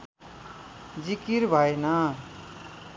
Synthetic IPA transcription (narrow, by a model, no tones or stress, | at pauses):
d͡zikiɾbʱajna